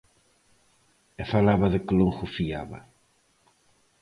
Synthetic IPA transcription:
efalaβɐðɪkɪloŋxʊfiaβɐ̰

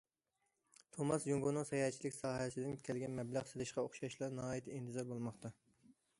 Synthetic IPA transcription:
t̪ʰomɑsjuŋɡonɨŋsɑjɑːt͡ʃʰilɪkʲsɑːɦɛsɪd̪ɪnkʲʰɛlɡʲɛnmɛblæʁselˠɪʃqɑoχʃɑʃlˠɑɾnɑɑːjit̪ʰint̪ʰɪzɛɾbolˠmɑχt̪ɑ

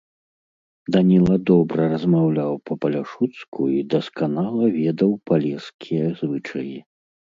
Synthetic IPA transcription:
d̪anʲilˠɐd̪ɔbɾɐɾɐzmawlʲawpɐpɐlʲaʂut̪skʰuid̪ɐskanalˠɐvʲɛd̪ɐwpalʲɛskʲʰijɛzvɨt͡ʂɐji

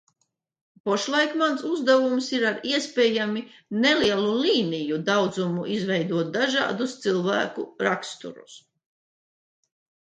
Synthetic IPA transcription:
pɔʃlˠajkmansuzd̪ɛvumsiɾaɾiɛspɛːjami | neliɛlˠuliːnijud̪awd̪zumuʔizvɛjd̪uɔt̪̚d̪aʒa̰ːd̪ust̪silˠvæ̰ːkuɾakst̪ṵɾṵs

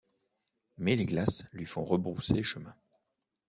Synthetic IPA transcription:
mɛleɡlaslɥifɔ̃ʁəbʁuseʃəmɛ̃

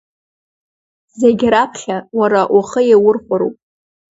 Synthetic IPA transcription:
zeɡʲɾapʰχʲawaɾaʔaχəjawʊrχʷaɾo̰pʼ

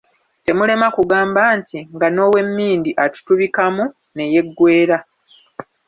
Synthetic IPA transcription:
te̞mule̞makuɡaːmbaːntiŋɡano̞ːwe̞mːiːndiʔatu̥tuβikamu | ne̞je̞ɡːwe̞ːɾa

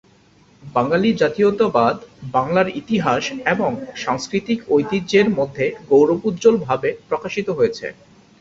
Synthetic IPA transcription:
baŋalid͡ʑat̪iot̪abad̪baŋlaɾit̪iɦaʃeboŋʃaŋskɾit̪ikojt̪id͡ʑeɾmod̪ʱːeɡowɾopud̪d͡ʑolbʱabepɾokaʃit̪oɦojet͡ɕʰḛ

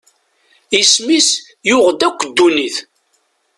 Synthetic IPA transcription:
ismis | jʊʁd̪ækʷːəd̪ːuniθ

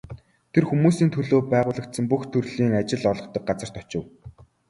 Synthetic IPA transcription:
t̪ʰerxumuːsiːnt̪ʰɵɮoːpæːʁʊːɮə̆k̚t̪sə̆mpuxt̪ʰɵrɮiːŋat͡ɕɪ̆ɮɔɮɞ̆χt̪ə̆k̚ɢat͡sə̆r̥t̪ʰɔ̥t͡ɕɪ̆w

